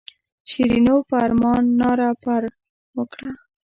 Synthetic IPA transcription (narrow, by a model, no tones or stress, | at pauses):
ʃiɾinopaaɾmɑnːɑɾapaɾ | wəkɽa